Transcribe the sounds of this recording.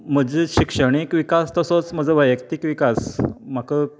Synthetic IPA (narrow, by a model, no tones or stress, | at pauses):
m̤əd͡ʑeɕikʂəɽ̃ikʋikast̪əsot͡sm̤əd͡zəʋəjəkt̪ikʋikasm̤akə